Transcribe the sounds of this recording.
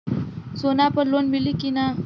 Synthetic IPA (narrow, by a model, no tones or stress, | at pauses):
sonapəɾlonmilikina